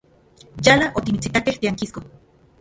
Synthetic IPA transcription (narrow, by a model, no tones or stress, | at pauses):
jalaʔot̪imit͡sit̪akeht̪iaŋkisko